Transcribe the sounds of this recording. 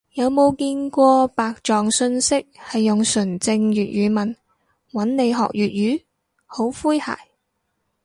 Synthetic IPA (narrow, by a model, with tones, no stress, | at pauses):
jɐ˨˧wmo˨˧wkiː˧nkʷɔː˧paː˨k̚t͡ʃɔː˨ŋsɵ˧nsɪ˥k̚hɐ˨jːʊ˨ŋsɵ˨˩nt͡sɪ˧ŋjyː˨t̚jyː˨˧˥mɐ˨n | wɐ˨˥nne˨˧jɦɔ̰ː˨k̚jyː˨t̚jyː˨˥ | ho˨˥wfuː˥jha̰ː˨˩j